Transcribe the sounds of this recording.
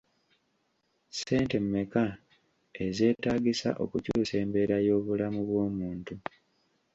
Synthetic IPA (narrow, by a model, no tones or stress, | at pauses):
se̞ːnte̞mːe̞ka | e̞ze̞ːtaːɡisa̰ʔo̞̰kucuːse̞ːmbe̞ːɾajo̞ːβulamuβwo̞ːmuːntu